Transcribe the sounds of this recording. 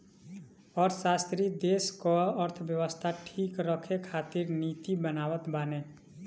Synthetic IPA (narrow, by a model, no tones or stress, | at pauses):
ɔːɾsaːst̪ɾid̪eːskɔəɾt̪ʰbjəwəst̪ʰaʈʰiːkɾəkʰekʰaːt̪iɾnit̪ibənaːwət̪baːne